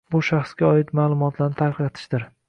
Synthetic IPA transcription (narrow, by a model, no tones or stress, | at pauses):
bʊʃaχsɡʲaɒɪt̪maːlˠʊmɒt̪ʰlaɾnɪt̪ʰaklɑt̪ʰɪ̥ʃd̪ɪɾ